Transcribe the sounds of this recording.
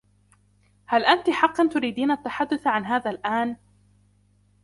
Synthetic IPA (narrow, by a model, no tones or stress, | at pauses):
halʔant̪iħɑqːɑnt̪ʊɾiːd̪iːnaʔat̪ːaħad̪ːʊθʕanɦaːðaːlʔaːn